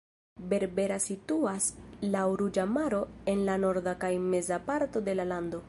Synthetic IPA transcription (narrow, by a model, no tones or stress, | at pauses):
be̞ɾbe̞ɾasituaslauɾud͡ʒamaɾo̞e̞nlano̞ɾdakajme̞zapaɾto̞de̞lalando̞